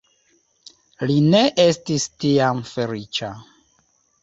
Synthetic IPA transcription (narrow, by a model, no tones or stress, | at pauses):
line̞ʔe̞stistiamfe̞lit͡ʃa